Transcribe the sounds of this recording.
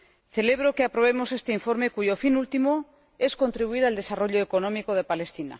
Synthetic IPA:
θe̞le̞β̞ɾokeapɾo̞β̞e̞mo̞se̞st̪eiɱfo̞ɾme̞kuʝo̞finult̪imo | e̞sko̞nt̪ɾiβuiɾald̪e̞saro̞ʎoeko̞nõ̞miko̞ð̞e̞pale̞st̪ina̰

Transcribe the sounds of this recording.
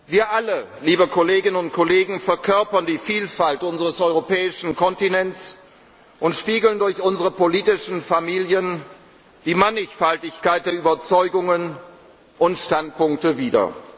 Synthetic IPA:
viːɐʔalə | liːbəkʰoleːɡɪnənʊnt̚kʰoleːɡŋ̩fɛɐkʰœɐpɐndiːfiːlfaltʔʊnzəʁəsɔʏʁopɛːɪʃn̩kʰɔntinɛnts | ʔʊntʃpiːɡl̩ndʊɐçʔʊnzəʁəpoliːtɪʃn̩famiːljən | d̥iːmanɪçfaltɪçkaɪt̚d̥eːɐyːbɐt͡sɔʏɡʊŋən | ʔʊntʃtant̚pʊŋk̚təviːdɐ̰

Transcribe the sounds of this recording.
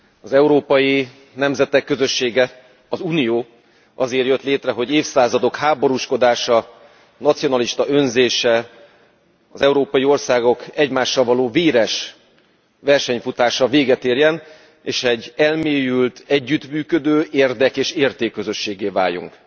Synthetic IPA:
ɒzɛuɾoːpɒji | nɛmzɛt̪ɛkːøzø̞ʃːeːɡɛ | ɒzuːnijoː | ɒzeːrjøt̪leːt̪rɛɦo̞ɟeːfsaːzɒd̪o̞khaːbo̞ɾuʃko̞d̪aːʃɒ | nɒt̪sijo̞nɒliʃt̪ɒʔønzeːʃɛ | ɒzɛuɾoːpɒjio̞rsaːɡo̞kɛɟmaːʃːɒlvɒloːveːɾɛʃ | vɛrʃɛɲfut̪aːʃɒveːɡɛt̪eːrjɛn | eːʃɛɟːɛlmeːjylt̪ʰɛɟːyt̪myːkø̞d̪øːʔeːrd̪ɛkeːʃeːrt̪eːkːøzø̞ʃːeːɡeːva̰ːjṵŋk

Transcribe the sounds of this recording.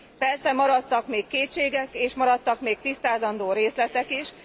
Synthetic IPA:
pɛrsɛmɒɾɒt̪ːɒkmeːkːeːt͡ʃeːɡɛkeːʃmɒɾɒt̪ːɒkmeːk̚t̪ist̪aːzɒnd̪oːɾeːslɛt̪ɛkiʃ

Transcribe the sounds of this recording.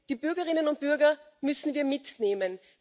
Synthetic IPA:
d̥iːbʏɐɡɐʁɪnənʊnt̚b̥ʏɐɡɐmʏsn̩viːɐmɪtneːmən

